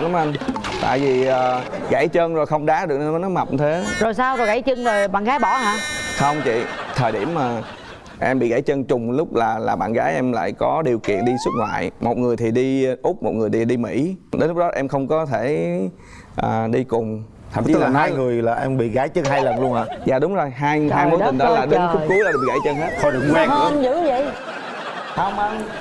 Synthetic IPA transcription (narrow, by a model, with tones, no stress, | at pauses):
k̚la˨˦ʔa˧nt̪a̰ː˧˨jvi˨˩ʔəː˨˩ | ɣa˧˩jt͡ɕəː˧nzo˨˩jxə˧wŋ͡mɗaː˨˦ɗɨ˨˩ək̚a˧˨˦nɔ˨˦jma˨˩p̚ɲ˧t̪ʰe˨˦˨zo˨˩jsaː˧wkɔ˨˩ɣa˧˩jt͡ɕɨ˧ŋze˨˩jɓa̰ː˧˨nɣaː˨˦jɓɔ˧˩ɦaː˧˥xə˧wŋ͡mt͡ɕḭ˧˨t̪ʰəː˨˩jɗi˧˩əmːaː˨˩ | ʔɛ˧mɓḭ˧˨ɣa˧˩˦jt͡ɕəː˧nt͡ɕʊ˨˩ŋ͡mlʊ˦˥k͡p̚laː˨˩laː˨˩ɓa̰ː˧˨nɣaː˨˦jʔɛ˧mla̰ː˧˨jkɔ˨˦ɗi˨˩əwkḭ˧˨ənɗi˧swɨ˦˥t̚ŋwa̰ː˧˨jmo˨˩t̚ŋɨ˨˩əjt̪ʰi˨˩ɗi˧ʔʊ˦˥k͡p̚mo˨˩t̚ŋɨ˨˩t̪i˨˩ɗi˧mḭ˧˩˥ɗe˨˦nlʊ˦˥ɗɔ˨˦ʔɛ˧mxə˧wŋ͡mkɔ˨˦t̪ʰe˧˩ | ʔəː˨˩ɗi˧kʊ˨˩ŋ͡m | t̪ʰa˨˧˩t͡ɕi˨˦lːŋɨ˨˩əjlaː˨˩ʔɛ˧mɓḭ˧˨ɣaː˨˦jt͡ɕəː˧nɦaː˧jlə˨˩nlu˧əŋaː˨˩za̰ː˨˩ɗʊ˨˦ŋ͡mzo˨˩jɦaː˧jhaː˧jmo˨˦˨i˨˩nɗɔ˨˦laː˨˩ɗe˨˦nkʊ˦˨˥kːu˨˦˧ḭ˧˨ɣaː˧˩jt͡ɕə˧nɦe˦˥t̚xɔ˧˦ɗɨ˨˩əkwaː˨˦˧zɨ̰˧˨˥və̰˧˨j | hə˧wŋ͡mə˧ŋ͡m